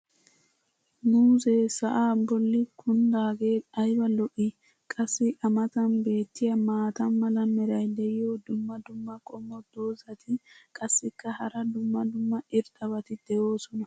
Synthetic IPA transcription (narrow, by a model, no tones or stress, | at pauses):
nuːzeːsɐʔaːbɔlːɪkʰʊnd̪aːɡe̞ːɐjbɐlɔʔɪ | kʼɐsːɪʔɐmɐt̪ɐnbe̞ːt̪ːɪjɐmaːt̪ɐnmɐlɐmɛɾɐjd̪ɛjɪjoːd̪ʊmːɐd̪ʊmːɐkʼɔmːɔd̪̥oːzɐt̪ʰɪkʼɐsːɪkːɐhɐɾɐd̪ʊmːɐd̪ʊmːɐɪɾt̪ʼɐbɐt̪ɪd̪̥ɛjo̞ːsɔnɐ